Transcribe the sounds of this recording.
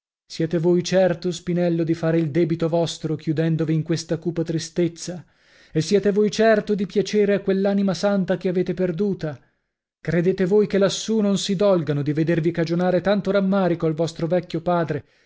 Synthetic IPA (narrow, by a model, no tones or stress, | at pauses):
sjɛːt̪evojt͡ʃɛrt̪ospinɛlːod̪ifaːɾeild̪ɛːbit̪ovɔst̪ɾokʰjud̪ɛnd̪oviːŋkwest̪akuːpat̪ɾist̪et̪sːa | esːjɛːt̪evojt͡ʃɛrt̪od̪ipjat͡ʃeːɾeakːwelːaːnimasant̪akeaveːt̪eperd̪uːt̪a | kɾed̪eːt̪evojkelːasːunonsid̪ɔlɡanod̪ived̪ervikad͡ʒonaːɾet̪ant̪oɾamːaːɾikoalvɔst̪ɾovɛkʲːopaːd̪ɾe